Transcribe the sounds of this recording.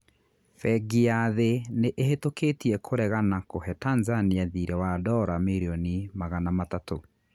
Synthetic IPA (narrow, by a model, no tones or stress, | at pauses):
fɛɡiaðeneʔeɦetoketiɛkʰoɾɛɣanakohɛtanzaniaðiɾɛwadɔɾamiɾiɔnimaɣanamatato